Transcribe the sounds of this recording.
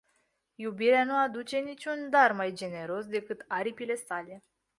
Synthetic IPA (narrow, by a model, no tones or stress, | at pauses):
jubiɾeanuad̪ut͡ʃe̞nit͡ʃʲund̪armajd͡ʒe̞ne̞ɾo̞sd̪e̞kɨt̪aɾipile̞sale̞